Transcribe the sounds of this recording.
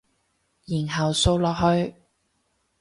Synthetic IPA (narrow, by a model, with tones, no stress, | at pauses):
jiː˨˩nɦɐ˨wso˥˧wlɔː˨k̚ɦɵ˧ɥ